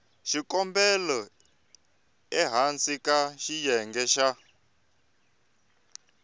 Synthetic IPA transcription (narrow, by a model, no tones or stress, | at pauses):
ʃikɔmbɛlɔ | ɛɦant͡sʼikʼaʃijɛŋɡɛʃa